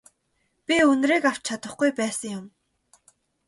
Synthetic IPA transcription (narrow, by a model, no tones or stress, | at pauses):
pʲiɵnriːkaw̥̚t͡ɕʰat̪ə̆χɡujpæːsə̆ŋjʊm